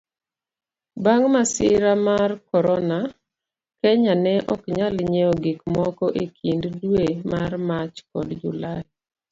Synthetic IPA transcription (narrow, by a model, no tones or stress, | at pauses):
baŋmasɪɾamarkɔɾɔna | kɛɲanɛʔɔkɲalɲeɔɡikmɔkɔʔekʰinddwemarmat͡ʃkɔdd͡ʒʊ̰la